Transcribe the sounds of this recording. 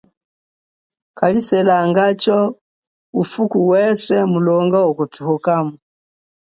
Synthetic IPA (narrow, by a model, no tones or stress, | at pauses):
kalisɛlaŋɡat͡ʃɔ | ufukuwɛswɛmulɔŋɡaɔkɔtuhɔkamu